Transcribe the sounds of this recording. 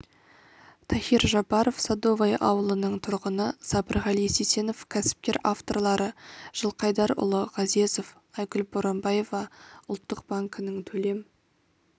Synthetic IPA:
t̪ʰæxiɾʒɑpɑɾofsɑd̪o̞vajʔɑ̰wəlˠənəɴt̪ʰʊɾʁənəsɑbəɾʁɑlˠisise̞no̞fkʲʰæsɪ̥p̚kʲeɾaft̪o̞rlˠɑɾəʒ̥əlˠqʰɑjd̪ɑɾʊ̰lˠəʁɑze̞zo̞f | ɑjkʊlboɾɑmbɑje̞vɑʊlˠt̪ːəq̚baŋkənəŋt̪ʰɵle̞m

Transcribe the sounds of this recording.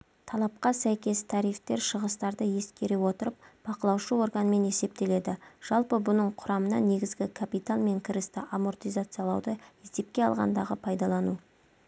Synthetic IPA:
t̪ʰɑlˠɑp̚qɑsæjkʲe̞st̪ʰɑɾijft̪e̞ɾʃəʁəst̪ɑɾd̪əje̞skʲe̞ɾewo̞t̪əɾəp̚b̥ɑqəlˠɑwʃəwo̞ɾɡənəme̞ne̞se̞p̚t̪e̞le̞d̪ɪʒ̥ɑlˠpəbʊnəɴqʰʊɾɑmənɑ̰ne̞ɡʲɪzɡʲɪkʰapit̪alˠme̞ŋkʲʰɪɾɪst̪ɪʔamo̞rt̪ijzat̪sɨjɑlˠɑwd̪əesd̪e̞p̚kʲe̞ɑ̰lˠʁɑ̰nd̪ɑʁəpʰɑjd̪ɑlˠɑnu

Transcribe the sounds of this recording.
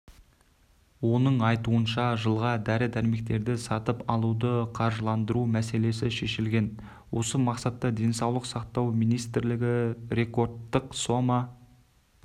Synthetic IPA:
wo̞nəɴɑjt̪uənʃɑʒəlˠʁɑd̪æɾɪd̪æɾme̞kt̪e̞ɾd̪ɪsɑt̪əpɑlˠud̪əqʰɑɾʒəlˠɑnd̪əɾumæse̞le̞sɪʃe̞ʃɪlɡʲe̞n | wʔo̞səmɑqsɑt̪ːɑd̪e̞nsɑwlˠəqsɑqt̪ɑwmijnijst̪ɪɾlɪɡʲɪɾe̞ko̞rd̪ːəqso̞mɑ

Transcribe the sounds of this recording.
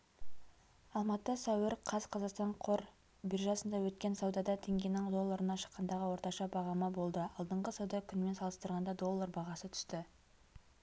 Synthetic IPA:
ɑlˠmɑt̪əsæwɪɾqʰɑzqʰɑzɑqst̪ɑɴqʰo̞ɾ | biɾʒɑsənd̪ɑwɵt̪̚kʲe̞nsɑwd̪ɑd̪ɑt̪ʰe̞ŋɡʲe̞nɪŋd̪o̞lˠːaɾənɑʃə̥qːɑnd̪ɑʁəwo̞ɾt̪ɑʃɑbɑʁɑməbo̞lˠd̪əɑlˠd̪əɴʁəsɑwd̪ɑkʲʰʏnme̞nsɑlˠəst̪əɾʁɑnd̪ɑd̪o̞lˠːɑrbɑʁɑsət̪ʰʏ̥st̪ɪ

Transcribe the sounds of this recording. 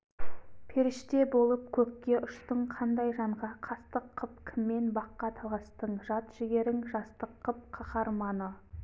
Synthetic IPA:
pʰe̞ɾɪʃt̪e̞bo̞lˠəp̚kʲʰɵkːʲe̞ʔʊʃt̪əɴqʰɑnd̪ɑjʒɑɴʁɑqʰɑst̪əqʰːəpkʲʰɪmːe̞nbɑqːɑt̪ʰɑlˠɑst̪əɴʒɑt̪ʒ̥ɪɡʲe̞ɾɪŋʒɑst̪əqʰːəp̚qʰɑχɑɾmɑnə

